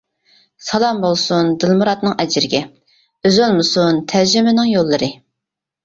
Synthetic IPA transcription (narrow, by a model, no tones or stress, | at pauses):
sɑlˠɑmbolˠsund̪ɨlˠmuɾɑt̪nɨŋʔɛd͡ʒɪɾɪɡʲɛ | øzølˠmɨsunt̪ʰæɾd͡ʒɪmɪnɪŋjolˠːɨɾɨ